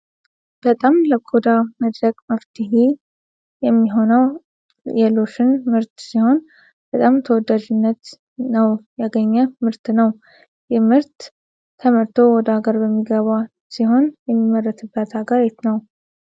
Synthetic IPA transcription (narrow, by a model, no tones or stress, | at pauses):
b̥ət̪ʼamləkʰod̪aməd̪ɾəɡʼməft̪ʰɨɦi | jɛmːiɦo̞nəw | jɛlo̞ʃɨnmɨɾt̪siho̞n | b̥ət̪ʼamt̪ʰəwɔd̪ːaʒɪnːət̪ | nəwjaɡəɲːɛmɨɾt̪nəw | jɛmɨɾt̪ʰː | əməɾt̪ʰo̞wɔd̪aɡəɾbəmːiɡəβa | siɦo̞njɛmːimːərːət̪ʰɨbːət̪aɡəɾɛt̪nəw